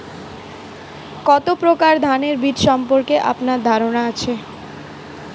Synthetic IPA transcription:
kɔt̪opɾokaɾd̪ʱaneɾbid̪ʃɔmpoɾkeʔa̰pnaɾd̪ʱaɾonaat͡ɕʰe

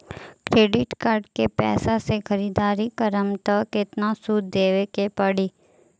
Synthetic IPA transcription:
kɾeːɖɪʈkaːɾɖkepɛ̰ːsasexɐɾiːd̪aːɾikəɾəmt̪əkɪt̪nasuːd̪ːeːʋekepɐɽiː

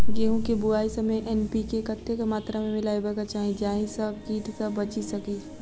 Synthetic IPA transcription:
ɡeːɦũkebʊaːisɐmeʔɛnpikekɐt̪ːekamaːt̪ɾamẽmɪlaːibəkat͡ʃaːɦĩd͡ʒaːɦĩsɐbkiːʈsɐbɐt͡ʃisɐki

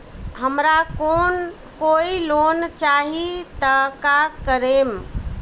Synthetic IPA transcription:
ɦəmɾakon | koilont͡ʃaɦit̪əkakəɾem

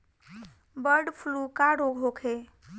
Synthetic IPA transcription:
bəɾɖpʰlukaɽokɦokʰe

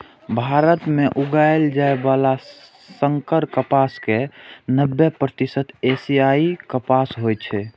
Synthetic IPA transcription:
bʱaɾət̪meʔuɡaeld͡ʒaebala | səŋkəɾkəpaskenəbːepɾət̪isət̪esiaikəpasɦojt͡ʃʰɛ

